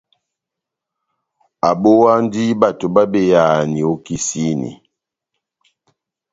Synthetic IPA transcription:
a˨ɓo˦wa˦n˦di˦ba˨to˨ba˦be˨ja˨ni˨o˦ki˦si˦nḭ˨

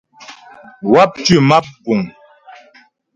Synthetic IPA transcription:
wa˦p̚tʉ˦˨ma˦p̚ku˨ŋ

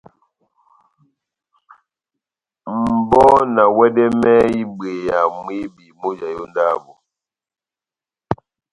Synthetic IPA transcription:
m̩˨bɔ˦na˨wɛ˦dɛ˦mɛ˦i˦be˨ja˨mwi˦bi˨mo˦d͡ʒa˨jo˦n˦da˦˨bɔ˨

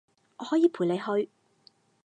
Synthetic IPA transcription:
ŋɔː˨˧hɔː˨˥jiː˨˧pʰuː˨˩jle˨˧jɦɵ˧ɥ

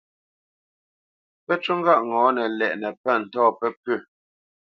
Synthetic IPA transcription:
pɛ˦t͡ʃu˦ŋ˦ɡa˦˨ʔŋɔː˨˦nɛ˨lɛ˨ʔnɛ˨pɛ˦˨n̩˨tɔː˦˨pɛ˦pʉ˦˨

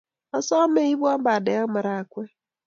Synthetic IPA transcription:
a˦sɔ˦me˦i˦βwa˦mba˨dɛ˨a˦ma˨ɾa˨kwɛ˦

